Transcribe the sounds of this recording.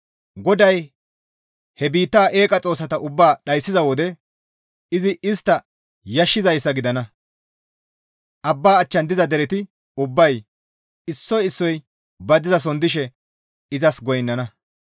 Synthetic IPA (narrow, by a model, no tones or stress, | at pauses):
ɡɔd̪ɐj | hɛbiːt̪ːaːʔe̞ːkʼɐt͡sʼo̞ːs̬ɐt̪ɐʔʊbːaːɗɐjsːɪzɐwɔd̪ɛ | ɪzɪʔɪst̪ːɐ | jɐʃːɪzɐjsːɐɡɪd̪ɐnɐ | ʔɐbːaːt͡ʃːɐnd̪ɪzɐd̪ɛɾɛt̪ɪ | ʊbːɐj | ɪsːɔjɪsːɔj | bɐd̪ɪzɐs̬ɔnd̪ɪʃ̬ɛ | ɪzɐsɡɔjnːɐnɐ